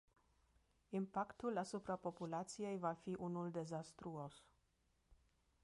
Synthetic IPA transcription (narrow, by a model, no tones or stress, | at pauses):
impakt̪ulasupɾapo̞pulat̪sie̞jvafiʔunuld̪e̞zast̪ɾuos